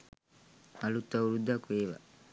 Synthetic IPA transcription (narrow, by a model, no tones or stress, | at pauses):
alut̪ːauɾud̪ːakueːʋa̰